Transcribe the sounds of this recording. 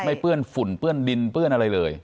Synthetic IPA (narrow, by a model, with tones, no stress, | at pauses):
ma˥˩jpɯ˥˩ənfu˨˩˦npɯ˥˩əndi˧npɯ˥˩ənʔa˧ɾa˧jlɤː˧j